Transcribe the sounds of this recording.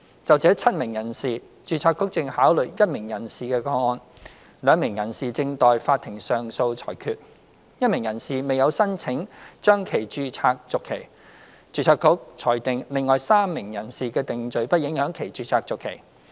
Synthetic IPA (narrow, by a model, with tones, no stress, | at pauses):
t͡sɐ˨wt͡sɛː˨˥t͡sʰɐ˥t̚mɪ˨˩ŋjɐ˨˩nsiː˨ | t͡ʃyː˧t͡sʰaː˧˥kːʊ˥k̚t͡sɪ˧ŋhaː˨˥wlɵ˨˩jɐ˥t̚mɪ˨˩ŋjɐ˨˩nsiː˨kɛː˧kɔː˧˥ŋɔː˧n | lœː˨˧ŋmɪ˨˩ŋjɐ˨˩nsiː˨t͡sɪ˧ŋt̪ɔː˨˧jfaː˧t̪ʰːɪ˨˩ŋsœː˨ŋso˧wt͡sʰɔ̰ː˨˩jkʰyː˧t̚ | jɐ˥t̚mɪ˨˩ŋjɐ˨˩nsiː˨˩me˨jɐ˨˧wsɐ˥nt͡sʰɪ˨˥ŋt͡ʃœː˥ŋkʰe˨˩jt͡ʃyː˧t͡sʰaː˧k̚t͡sʊ˨kʰːe˨˩j | t͡ʃyː˧t͡sʰaː˧kʰːʊ˥k̚t͡sʰɔː˨˩jt̪ɪ˨ŋlɪ˨ŋːɔː˨jsaː˥mːɪ˨˩ŋjɐ˨˩nsiː˨kɛː˧t̪ɪ˨ŋt͡sɵ˨ɥpɐ˥t̚jɪ˨˥ŋhœː˨˥ŋkʰe˨˩jt͡ʃyː˧t͡sʰaː˧k̚t͡sʊ˨kʰːe˨˩j